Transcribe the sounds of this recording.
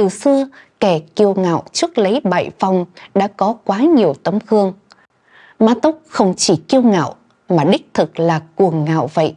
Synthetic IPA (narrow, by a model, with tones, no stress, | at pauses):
t̪ɨ˨˩sɨ˧əkɛ˧˩ki˧əwŋa̰ː˧˨wt͡ɕɨ˦˥ək̚lə˨˦jɓa̰ː˧˨jva˨˩wŋ͡mɗa̰ː˧˥kɔ˨˦kwaː˨˦ɲi˨˩əwt̪ə˨˦mkɨ˧əŋ | maː˧t̪ʊ˦˥k͡p̚xə˧wŋ͡mt͡ɕi˧˩ki˧əwŋa̰ː˧˨w | maː˨˩ɗï˦˥k̟̚t̪ʰɨ˨˩k̚laː˨˩ku˨˩əŋːa̰ː˧˨wvə̰˧˨jʔ